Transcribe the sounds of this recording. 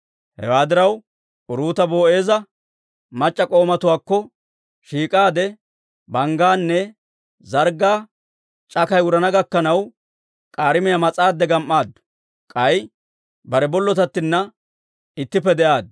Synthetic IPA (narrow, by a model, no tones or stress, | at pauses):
hɛ̰waːd̪ɪɾɐw | ʔʊɾuːt̪ɐbo̞ːʔe̞ːzɐ | mɐt͡ʃʼːɐkʼo̞ːmɐt̪ʊwaːkːɔ | ʃiːkʼaːd̪ɛ | bɐŋɡaːnːɛ | zɐɾɡaː | t͡ʃʼɐkɐjʊɾɐnɐɡɐkːɐnɐw | kʼaːɾɪmɪjɐmɐt͡sʼaːd̪ːɛɡɐmʔːaːd̪ | kʼɐj | bɐɾɛbɔlːɔt̪ɐt̪ːɪnːɐ | ɪt̪ːɪpːɛd̪ɛʔaːd̪̚